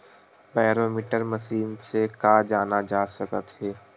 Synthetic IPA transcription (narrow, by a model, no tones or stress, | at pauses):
baːɾoːmiːʈəɾməʃiːnsekaːd͡ʒaːnad͡ʒaːsəkət̪ɦɛː